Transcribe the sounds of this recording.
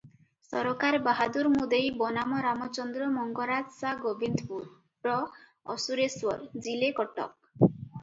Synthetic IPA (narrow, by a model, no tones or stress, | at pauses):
sɔɾɔkaɾbaɦad̪uɾmud̪ejbɔnamɔɾamɔt͡ʃɔnd̪ɾɔmɔŋɡɔɾad͡ʒsaɡobind̪puɾ | ɾɔ | ɔ̰suɾeswɔɾd͡ʒilekɔʈɔ̰k̚